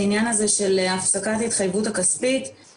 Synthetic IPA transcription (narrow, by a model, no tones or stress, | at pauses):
injanazeʃe̞lafsakatait̪χajvutakaspit